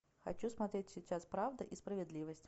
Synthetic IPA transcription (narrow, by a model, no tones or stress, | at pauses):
xa̰t͡ɕusmat̪ɾʲetʲsʲit͡ɕaspɾavd̪əʔispɾəvʲɪd̪lʲivəsʲtʲ